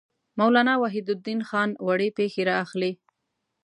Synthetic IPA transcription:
mawlɑnawɑɦɪd̪ʊd̪ːinxɑnwaɽepexeɾɑːxle

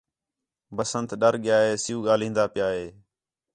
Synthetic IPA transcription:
bəsənt̪ɗəɾɠɪjaːɦeːsɪjuːɠaːl̤ĩːnd̪aːpɪjaːɦeː

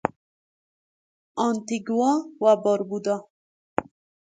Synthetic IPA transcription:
ɔnt̪iɡuwɔwabɔɾbud̪a

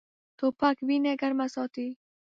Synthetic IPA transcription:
t̪opakbineɡaɾmasɔːt̪i

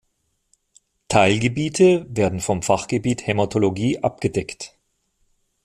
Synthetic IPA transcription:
tʰaɪlɡəbiːtʰəveːɐdn̩fɔmfaχɡ̥əbiːthɛmatʰoloɡiːʔap̚ɡ̥ədɛkt

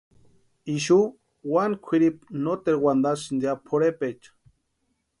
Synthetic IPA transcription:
iʃu | wankʷʰiɾip̚not̪eɾwand̪asind̪eapʰoɾepet͡ʃḁ

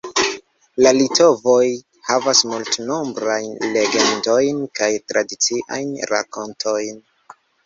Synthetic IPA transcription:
lalitovoj | havasmultnombɾajnle̞ɡe̞ndo̞jnkajtɾadit͡siʔa̰jnɾa̰ko̞ntʰo̞jn

